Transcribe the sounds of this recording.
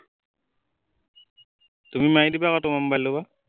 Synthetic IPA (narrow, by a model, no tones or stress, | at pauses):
t̪umimajd̪ibakɔtomambaloba